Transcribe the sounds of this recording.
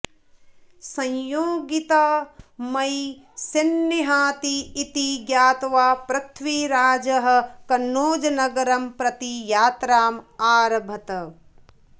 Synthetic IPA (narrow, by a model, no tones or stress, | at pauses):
sɐ̃jjoːɡit̪amɐj | senːiɦaːt̪iːt̪iɡjaːt̪ʋaːpɾɐt̪ʰʋiɾaːd͡ʒɐɦɐ̆kɐnːoːd͡ʒɐnɐɡɐɾɐmpɾɐt̪ijaːt̪ɾaːmaːɾɐbʱɐt̪ɐ